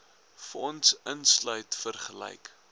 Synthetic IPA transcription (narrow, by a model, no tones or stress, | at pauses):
fəɔnsənslœɥtfərχəlɛ̰jk